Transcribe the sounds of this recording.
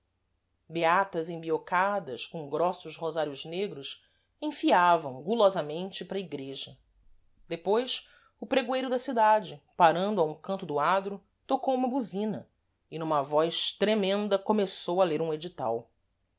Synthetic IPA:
beat̪ɐzẽbiokad̪ɐʃkõŋɡɾɔsʊʃhozaɾjʊzneɡɾʊs | ẽfiavɐ̃w̃ɡulɔzɐmẽnt͡ʃɪpɾɐiɡɾeʒɐ | d̪epojs | ʊpɾeɡwejɾʊd̪ɐsid̪ad͡ʒɪpaɾɐ̃nd̪ʊaũkɐ̃nt̪ʊd̪ʊad̪ɾʊ | t̪okowũmɐbuzĩnɐ | ɪnũmɐvɔjʃt̪ɾemẽnd̪ɐkomesowɐleɾũed͡ʒit̪a̰w

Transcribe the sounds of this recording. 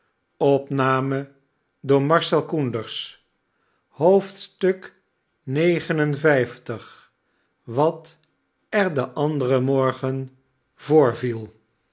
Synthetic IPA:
ɔpnaːmə | dʊːɹmɑɹsɛlˠkundəɹs | howftstɵk | nejχənənvɛjftəχ | ʋɑt | ɛɹdəʔɑndərəmɔɹχən | vʊːɹvilˠ

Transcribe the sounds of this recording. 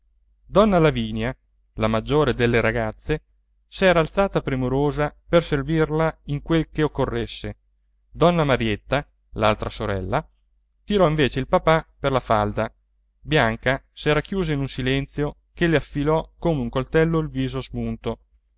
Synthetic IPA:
d̪ɔnːalaviːnja | lamad͡ʒːoːɾed̪elːeɾaɡat̪sːe | sɛːɾaːlt̪saːt̪apɾemoɾoːzaperservirlaiŋkwelkeokːorːesːe | d̪ɔnːamaɾjet̪ːa | lalt̪ɾasoɾɛ̰lːa | t̪iɾɔiɱveːt͡ʃeilpapaperlafald̪a | bjaŋkasɛːɾakjuːzainunsilɛnt̪sjo | keleafːilɔkoːmeuŋkolt̪ɛlːoilviːzozmunt̪o

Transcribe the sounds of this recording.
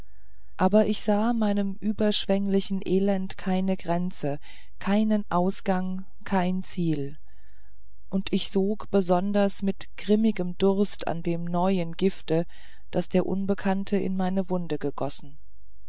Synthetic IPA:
ʔaːbɐʔɪçz̥aːmaɪnəmʔyːbɐʃv̥ɛŋlɪçn̩ʔeːlɛntkʰaɪnəɡʁɛnt͡sə | kʰaɪnənʔaʊsɡ̥aŋ | kʰaɪnt͡siːl | ʔʊntʰɪçz̥oːkb̥əzɔndɐsmɪtɡ̥ʁɪmɪɡəmdʊʁɐstʰa̰ndeːmnɔʏənɡɪftə | d̥asd̥eːɐʔʊ̰nbəkʰantʰəʔɪ̰nmaɪnəvʊndəɡəɡ̥ɔsn̩

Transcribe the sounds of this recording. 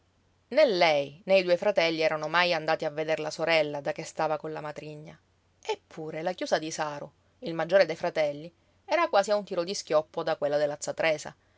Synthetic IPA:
nelːɛjnejd̪uːefɾat̪ɛlːiɛːɾanomajand̪aːt̪iavːed̪eɾlasoɾɛlːad̪akːest̪aːvakonlamat̪ɾiɲːa | epʰːuːɾelakjuːsad̪isaːɾo | ilmad͡ʒːoːɾed̪ejfɾat̪ɛlːi | ɛːɾakwaːsiaunt̪iːɾod̪iskʲjɔpːod̪akwelːad̪elːat̪sːat̪ɾɛːsa̰

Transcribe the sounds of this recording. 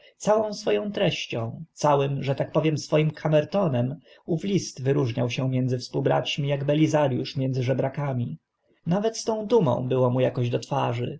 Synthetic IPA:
sawɔ̃w̃sfɔjɔ̃w̃t̪ɾɛɕt͡ɕɔ̃w̃t̪sawɘmʐɛt̪ak̚pɔvʲjɛmsfɔjimkʰamɛɾt̪ɔnɛm | uflʲist̪vɘɾuʐɲawɕɛmjɛnd̪zɘfspuwbɾa̰t͡ɕmʲijaɡbɛlʲizaɾjuʂmjɛnzɘʐɛbɾakamʲi | navɛt̪st̪ɔ̃w̃d̪umɔ̰̃w̃bɘwɔmujakɔʑd̪ɔt̪faʐɘ̰

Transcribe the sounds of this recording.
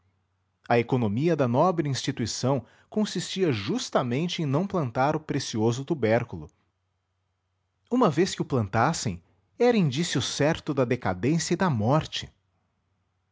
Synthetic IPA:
ɐekonomiɐd̪ɐnɔbɾɪĩst͡ʃit̪uisɐ̃w̃ | kõsist͡ʃiɐʒust̪ɐmẽnt͡ʃɪẽj̃nɐ̃w̃plɐ̃nt̪aɾʊpɾesiozʊt̪ubɛɾkulʊ̰ | ũmɐveskɪʊplɐ̃nt̪asḛ̃j̃ | ɛɾɐĩnd͡ʒisiʊsɛɾt̪ʊd̪ɐd̪ekad̪ẽsjɐid̪ɐmɔɾt͡ʃɪ̥

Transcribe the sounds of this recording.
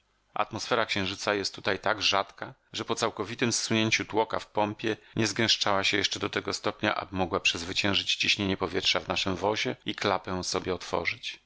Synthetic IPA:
a̰t̪mɔsfɛɾakɕɛ̃w̃ʐɘt̪sajɛst̪ːut̪ajt̪aɡʐat̪kaʐɛpɔt̪sawkɔvʲit̪ɘmsːuɲeɲt͡ɕut̪wɔka̰fpɔmpʲjɛɲʔɛzɡɛ̃w̃ʂt͡ʂawaɕɛjɛʂt͡ʂɛd̪ɔt̪ɛɡɔst̪ɔpɲa̰ʔa̰bɘmɔɡwapʂɛzvɘt͡ɕɛ̃w̃ʐɘt͡ɕt͡ɕiɕɲeɲɛpɔvʲjɛtʂavnaʂɘmvɔʑɛiklapɛsɔbʲjɛɔt̪fɔ̰ʐɘt͡ɕ

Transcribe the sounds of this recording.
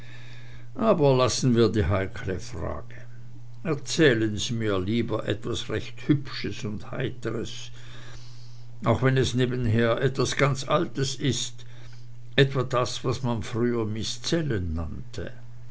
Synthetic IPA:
ʔaːbɐlasn̩viːɐdiːɦaɪkʰləfʁa̰ːɡ̥ə | ɛɐt͡sɛːlənziːmiːɐliːbɐʔɛtvasʁɛçthʏpʃəsʊndha̰ɪtəʁəs | ʔaʊxvɛnɛsneːbənɦeːɐʔɛtv̥asɡ̥ant͡sʔaltəsɪst | ʔɛtv̥adasv̥asmanfʁyːɐmɪst͡sɛlənːa̰ntʰə̰

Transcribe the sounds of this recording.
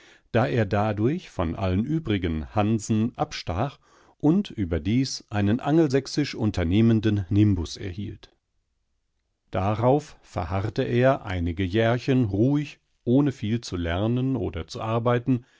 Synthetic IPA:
d̥aːʔeːɐdaːdʊɐçfɔnʔa̰lənʔyːbʁɪɡənhanzn̩ʔapʃtaːχ | ʔʊntʔyːbɐdiːsʔaɪnənʔaŋəl̩zɛksɪʃʔʊntʰɐneːməndənnɪmbʊsɛ̰ɐhḭːlt | d̥aʁaʊffɛɐhaʁtəʔeːɐʔa̰ɪnɪɡəjɛɐçənʁuːɪç | ʔoːnəfiːlt͡sulɛɐnənʔo̰ːdɐt͡suʔaɐbaɪtn̩

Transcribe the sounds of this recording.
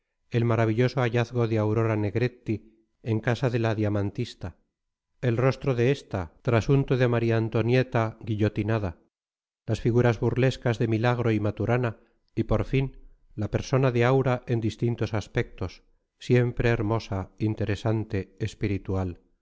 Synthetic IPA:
e̞lmaɾaβ̞iʎo̞so̞aʝaθɣo̞ðeawɾo̞ɾane̞ɣɾe̞t̪ːi | eŋkasaðe̞laðiamant̪ist̪a | e̞lro̞st̪ɾoðe̞est̪at̪ɾasunt̪oðemaɾiaːnt̪o̞nje̞t̪aɣiʎo̞t̪inaða | lasfiɣuɾazβuɾle̞skazðe̞milaɣ̞ɾo̞imat̪uɾana | ipo̞ɾfin | lape̞ɾso̞naðeawɾaʔe̞nd̪ist̪int̪o̞saspe̞k̚t̪o̞sː | je̞mpɾe̞ːɾmo̞saint̪e̞ɾe̞sant̪e̞ːspiɾit̪ual

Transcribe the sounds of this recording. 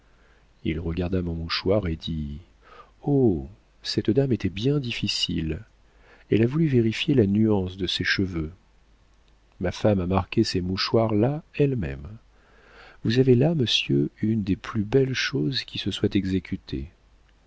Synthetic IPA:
ḭlʁəɡaʁd̪amɔ̃muʃwaʁed̪i | o | sɛt̪d̪amet̪ɛbjɛ̃d̪ifisḭl | ɛ̰lavulyveʁifjelanyɑ̃sd̪əsɛʃəvø | mafamamaʁkʲesemuʃwaʁlaɛlmɛ̰m | vuzavelaməsjøynd̪eplybɛlʃozkʲisəswɛt̪ɛɡzekʲyt̪ʰḛ

